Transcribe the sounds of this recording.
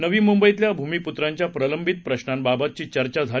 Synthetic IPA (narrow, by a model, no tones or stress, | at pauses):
nəʋiːmumbəit̪ljabʱumiːput̪ɾaɲt͡ɕjapɾələmbʱit̪̚pɾəɕnambabat̪̚t͡ɕiːt͡ɕəɾt͡ɕad͡zʱa